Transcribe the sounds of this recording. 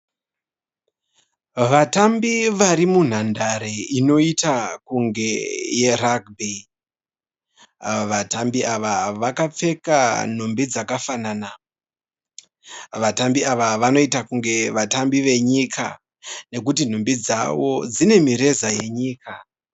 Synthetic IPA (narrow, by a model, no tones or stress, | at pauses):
ʋatambiʋaɾimun̤andaɾeino̞itakuŋɡe̞je̞raɡbe | ʋatambiaʋaʋakap͡fe̞kan̤umbid͡zakafanana | ʋatambiaʋaʋano̞itakuŋɡe̞ʋatambiʋe̞ɲikʰa̰ | ne̞kutin̤umbid͡za̰ʋo̞d͡zine̞miɾe̞zaje̞ɲiːka